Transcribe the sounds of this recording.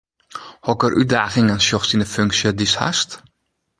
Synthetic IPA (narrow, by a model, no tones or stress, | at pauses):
hɔkərʔyt̚daːχɪŋansjɔxsinəføŋksjədisha̰st